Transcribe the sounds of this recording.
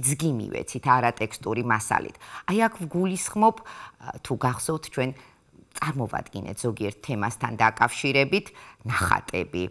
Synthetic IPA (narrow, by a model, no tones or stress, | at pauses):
d̪zɡimḭvɛ̰t̪sʰit̪ʰaɾat̪ʼɛkst̪ʼuɾimasa̰lḭt̪ʰajakʰvɡulisχmɔpʰt̪ʰuɡaχsɔft̪ʰt͡ʃʰwɛn | t̪sʼaɾmɔva̰d̪ɡinɛ̰t̪ʰz̥ɔɡiɛɾt̪ʰːɛmast̪ʰand̪akʼafʃiɾɛbit̪ʰnaχa̰t̪ʼɛbi